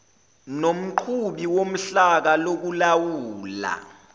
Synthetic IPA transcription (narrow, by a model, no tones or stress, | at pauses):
nom̩ǃʰuɓiwom̩ɬak̬alok̬ulawuːla̰